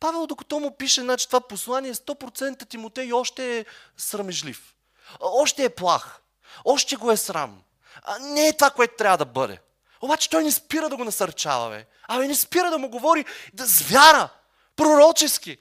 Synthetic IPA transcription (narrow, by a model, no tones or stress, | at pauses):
pavɛlˠd̪okɐ̥t̪ɔmʊpiʃɛnat͡ʃɛ̥t̪ovaposlˠaniɛst̪ɔpɾot̪sɛnt̪ət̪imot̪ɛjɔʃt̪ɛː | sɾɐmɛʒlḭf | ɔʃt̪ɛːplˠax | ɔʃt̪ɛɡoɛsɾa̰m | nɛːt̪ovakoɛt̪ʊ̥t̪ɾʲabvəd̪ɐbɤd̪ɛ̰ | obat͡ʃɛ̥t̪ɔjnɛspiɾəd̪ɐɡonɐsɐɾt͡ʃa̰vɐ̰vɛ̰ | ɐminɛspiɾəd̪ɐmʊɡovɔɾid̪ɐzvjaɾə | pɾoɾɔt͡ʃɛski